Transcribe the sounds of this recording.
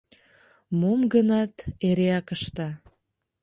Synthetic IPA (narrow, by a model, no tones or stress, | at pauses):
momɡənɑt̪eɾeɑkəʃt̪ɑ